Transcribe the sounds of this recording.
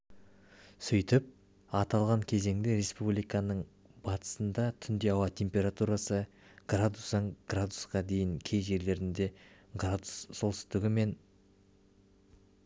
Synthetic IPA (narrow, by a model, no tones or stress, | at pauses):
sʏjt̪ɪp̚ | ɑt̪ɑlˠʁɑŋkʲʰe̞ze̞ŋd̪eɾe̞spublijkɑnəɴ | bɑt̪ʰə̥sənd̪ɑt̪ʰʏnd̪e̞ɑwɑt̪ʰe̞mpʲe̞ɾat̪uɾasə | ɡ̥rad̪usɑɴɡ̥rad̪usqɑd̪e̞jɪŋkʲʰe̞jʒe̞ɾle̞ɾɪnd̪e̞ɡrad̪usso̞lˠsʏ̥st̪ɪɡʲɪme̞n